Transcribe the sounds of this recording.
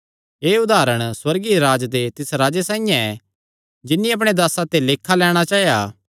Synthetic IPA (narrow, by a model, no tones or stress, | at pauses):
eːʊd̪aːɾəɽ̃swɐɾɡiɾaːd͡ʒd̪et̪ɪsɾaːd͡ʒesãːĩjãɛ | d͡ʒɪnːiɐp̬ɽ̃ed̪aːsat̪eleːkʰːalɛːɽ̃at͡ʃaːjaː